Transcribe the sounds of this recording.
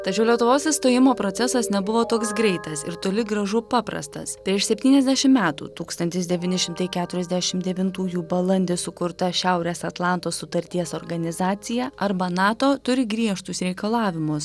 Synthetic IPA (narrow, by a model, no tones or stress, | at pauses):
t̪ɐt͡ʃʲɛʊlʲiɛt̪ʊʋoːsɪst̪oːjɪmoːpɾoːt̪sʲɛsɐsnʲɛbʊʋoːt̪oːksɡɾʲɛɪt̪ɐsɪ̰ɾt̪oːlʲɪɡɾɐʒʊpɑːpɾɐ̰st̪ɐ̰spʲɾʲiɛʃsʲɛpʲt̪ʲiːnʲɛzʲd̪ʲæːʃʲɪmmʲæːt̪ṵːt̪uːkst̪ɐnʲt̪ʲɪsd̪ʲɛʋʲiːnʲɪʃʲɪmt̪ɐɪkʲæːt̪ʊɾʲɛzd̪ʲæʃʲɪmd̪ʲɛʋʲɪnt̪uːjuːbɐlˠɐnʲd̪ʲɪsʊkʊɾt̪ɐʃʲæʊɾʲeːsɐt̪lˠɑˑnt̪oːssʊt̪ɐɾʲt̪ʲiɛsoːɾɡɐnʲɪzɑːt̪sʲɪjɛɐɾbɐnɑːt̪oːt̪ʊɾʲɪɡɾʲiɛʃt̪ʊsɾʲɛɪkɐlˠɑːʋʲɪmʊs